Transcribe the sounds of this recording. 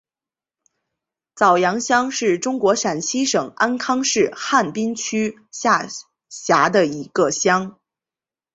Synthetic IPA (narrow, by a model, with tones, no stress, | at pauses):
t͡sɑ˨˩ʊjɑ˧˥ŋɕjɑ˥ŋʂɻ̩˥˩ʈ͡ʂʊ˥ŋkwɔ˧˥ʂa˨˩nt͡ɕʰi˥ʂɤ˨˩ŋa˥nkʰɑ˥ŋʂɻ̩˥˧xa˥˩npi˥nt͡ɕʰy˥ | ɕa˥˩ | ɕja˧˥d̪ə˧i˧˥ɡ̥ə˧ɕjɑ˥ŋ